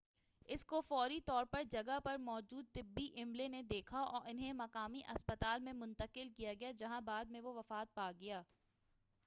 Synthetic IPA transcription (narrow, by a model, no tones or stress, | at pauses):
ɪskofɔːɾit̪ɔːɾpɐɾd͡ʒɐɡapɐɾmɔːd͡ʒuːd̪̚t̪ɪbːiʔɪmlened̪eːkʰaɔ̰ːɾɪnɦẽmɐkaːmiʔɐspət̪aːlmẽmʊ̃nt̪əqɪlkijaɡɐjad͡ʒɐɦãbaːd̪̚mẽʋoʋɐfaːt̪̚paːɡɐjaː